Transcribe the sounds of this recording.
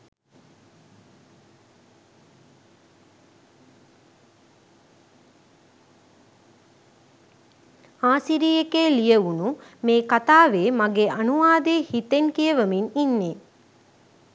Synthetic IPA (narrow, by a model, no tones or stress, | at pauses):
aːsiɾiːekeːlijəʋunumeːkat̪aːʋeːmaɡeʔɐnuʋaːd̪eːhit̪enkijəʋəmininːe